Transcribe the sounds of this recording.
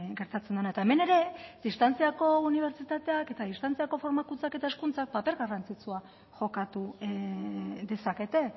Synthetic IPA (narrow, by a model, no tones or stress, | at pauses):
ɡe̞ɾt̪at͡send̪enaet̪ae̞me̞ne̞ɾe̞d̪ist̪ant͡siako̞uniβ̞e̞ɾt͡sit̪at̪e̞ake̞t̪aðist̪ant͡siako̞fo̞ɾmakunt͡sake̞t̪aeskunt͡sak̚pape̞ɾɣarant͡sit͡sua | ʝo̞kat̪u | ðe̞sake̞t̪e̞